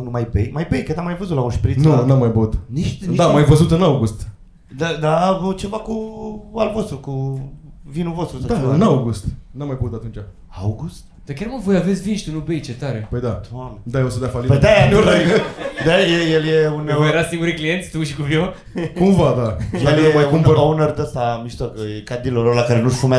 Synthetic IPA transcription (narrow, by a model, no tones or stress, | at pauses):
numajbejmajbejkət̪amajvəzut̪laoʃpɾinunamːajbəut̪niʃd̪amajvəzut̪ɨnawɡust̪ | d̪ad̪avut͡ʃe̞vakualvo̞st̪ɾuku | vinuvost̪ɾusad̪aɨnawɡust̪namːajbəut̪at̪unt͡ʃa | awɡust̪ | d̪̥akʲarmavo̞jave̞t̪sʲvinʃt̪ʲunubejt͡ʃe̞t̪aɾe̞pəjd̪at̪ond̪ajeosod̪afalipəd̪anuad̪ajejeljeunjeɾasiŋɡuɾiklije̞nsʲt̪uʃikuvio | kumvad̪ajelmajkuməaunərd̪əst̪amiʃt̪okəjekad̪ilololakaɾenuʃfumea